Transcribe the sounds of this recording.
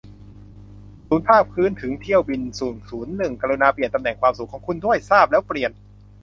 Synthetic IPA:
suː˩˦npʰaː˥˩p̚kʰɯː˦˥˨nt̪ʰɯ˩˦ŋt̪ʰi˥˩əwbi˧nsuː˨˩nsuː˩˦nːɯ˨˩ŋka˧ɾuː˧naː˧pli˨˩ənt̪a˧mnɛː˨˩ŋkwaː˧msu˨˩kʰːɔː˩˦ŋkʰu˧ndu˥˩əjsaː˥˩p̚lɛː˦˥wpɾi˨˩ən

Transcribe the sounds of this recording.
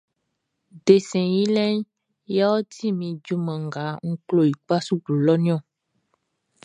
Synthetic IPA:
ɖe˨sɛ̃˨ji˦lɛ̃˦n | ja˦wɔ˦t̪i˦mĩ˨d͡ʒu˦mɛ̃˨ŋ˨ɡa˨˦ŋ̩˦klo˦˨ji˨k͡pa˦su˦ɡlo˨lɔ˦nĩ˦ɔ̃˦˨

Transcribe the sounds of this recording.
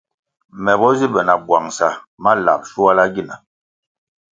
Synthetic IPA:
mɛ˨bɔ˦zi˦bɛ˨na˨bwa˨ŋsa˨ma˦la̰˨p̚ʃu˦wa˦la˦ɡi˦˨na˨

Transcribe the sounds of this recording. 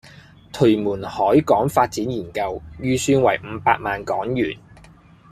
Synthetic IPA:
t̪ʰɵ˨˩ɥmuː˨˩nhɔː˨˥jkɔː˨˥ŋfaː˧t̚t͡siː˨˥njiː˨˩nkɐ˧wjyː˧syː˧nwɐ̰˨˩jm̩ː˨˧˦paː˧k̚maː˨nkɔː˨˥ŋjyː˨˩n

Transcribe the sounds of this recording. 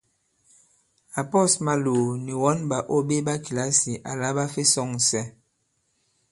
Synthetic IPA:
a˨pɔ˦˨sma˦loː˨ni˨wɔ˦nba˨ʔo˦be˦ba˦ki˨la˦si˨ʔa˨la˦ba˦fe˦sɔ˦˨ŋ˨sɛ˦

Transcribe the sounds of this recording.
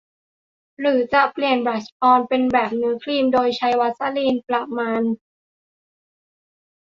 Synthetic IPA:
ɾɯː˩˦t͡ɕa˨˩pli˨˩ənbɾa˨˩t͡ɕʔɔː˧npe˧nbɛː˨˩p̚nɯ˩˦ɐkʰliː˧mdoː˧jt͡ɕʰa˧˥jwa˦˥t̪̚sa˧˨liː˧npla˨˩maː˧n

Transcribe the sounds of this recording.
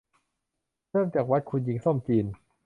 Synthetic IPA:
ɤː˥˩mt͡ɕaː˨˩k̚wa˦˥t̪̚kʰu˧nji˧ŋsɔ˥˩mt͡ɕiː˧n

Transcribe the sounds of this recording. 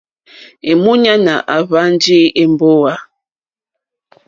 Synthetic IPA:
e˨mu˦ɲa˦na˨ʔa˨βa˦n˦d͡ʒi˦e˨mbo˦wa˦

